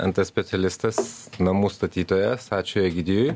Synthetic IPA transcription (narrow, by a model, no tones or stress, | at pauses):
ɐ̰nt̪ɐsʲpʲɛt̪sʲɛlʲɪst̪ɐsnɐmuːst̪ɐt̪ʲiːt̪oːjɛst̪ɑːt͡ʃʲoːjɛɡʲɪd̪ʲɪjʊj